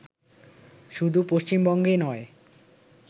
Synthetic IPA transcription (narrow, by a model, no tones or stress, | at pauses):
ʃud̪ʱupoʃt͡ɕimbɔŋɡenɔe